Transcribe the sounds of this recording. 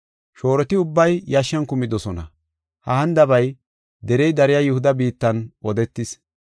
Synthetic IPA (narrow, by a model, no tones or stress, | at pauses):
ʃo̞ːɾɛt̪ɪʊbːɐjjɐʃːɐnkʊmɪd̪ɔsɔnɐ̰ | hɐhɐnd̪ɐbɐj | d̪ɛɾɛjd̪ɐɾɪjajʊhʊd̪ɐbiːt̪ːɐnɔd̪ɛt̪ːɪs